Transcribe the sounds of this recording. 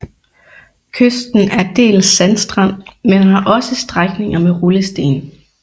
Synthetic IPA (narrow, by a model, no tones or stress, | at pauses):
kʰøsd̥n̩æɐd̥e̝̰ːlsːænsd̥ʁɑn̰menɦɑ̈ʔɒ̽səsd̥ʁaɡ̥ne̝ŋɐmeʁuləsd̥e̝̰ːn